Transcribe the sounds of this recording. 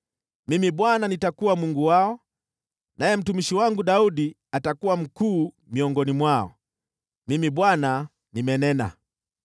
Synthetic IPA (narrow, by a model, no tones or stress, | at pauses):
mimiɓwananitakuwamuŋɡuwaɔ | najɛm̩tumiʃiwaŋɡuɗauɗi | atakuwam̩kuː | miɔŋɡɔnimwaɔ̰ | mimiɓwana | nimɛnɛna̰